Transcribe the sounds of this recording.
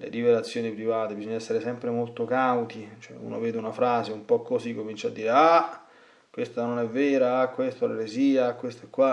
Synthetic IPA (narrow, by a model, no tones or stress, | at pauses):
lḛɾivelat̪sːjoːnipɾivaːt̪ebizɔɲːaɛsːeɾesɛmpɾemolt̪okawt̪it͡ʃoɛ̰ṵːno̰vɛːd̪eunafɾaːzeumpɔkːozikːomint͡ʃad̪ːiːɾea | kwest̪anonɛvːɛːɾaakwest̪oleɾeziːakwest̪aɛkːwa